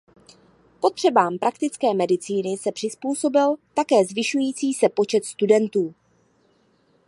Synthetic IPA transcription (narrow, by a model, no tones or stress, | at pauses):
po̞t̪r̝̥ɛbaːmpɾʔakt̪ɪt͡skɛːmɛdɪt͡siːnɪsɛpr̥ɪspuːso̞bɪlt̪akɛːzvɪʃujiːt͡siːsɛpo̞t͡ʃɛt̪st̪udɛnt̪uː